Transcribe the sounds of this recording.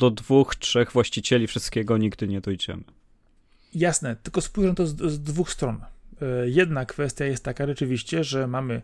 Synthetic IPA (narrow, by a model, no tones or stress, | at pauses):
d̪̥ɔd̪vuxtʂɛɣvwaɕt͡ɕit͡ɕɛlʲifʂɘst̪̚kʲɛɡɔɲiɡd̪ɘɲɛd̪ɔjd͡ʑɛ̰mɘ | jasnɛt̪ɘlkɔspujʐɛnt̪ɔzzd̪vuxst̪ɾɔnjɛd̪nakfɛst̪ʲjajɛst̪ːakaʐɛt͡ʂɘvʲiɕt͡ɕɛʐɛmamɘ